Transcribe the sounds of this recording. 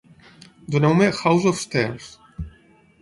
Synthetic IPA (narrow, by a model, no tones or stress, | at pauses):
d̪onewmexawzɔfst̪ɛɾs